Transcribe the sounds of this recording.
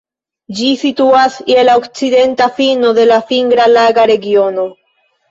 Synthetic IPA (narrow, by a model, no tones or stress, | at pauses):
d͡ʒisituasielaokt͡sid̪e̞ntafino̞d̪e̞lafiŋɡɾalaɡaɾe̞ɡio̞no̞